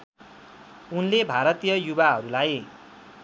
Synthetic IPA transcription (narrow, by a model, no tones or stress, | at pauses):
unlebʱaɾʌt̪ijʌjubaɦʌɾulaj